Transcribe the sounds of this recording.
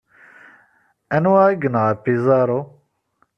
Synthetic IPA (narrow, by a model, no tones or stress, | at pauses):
ɛnwaːɡɨnaːpizaːɾo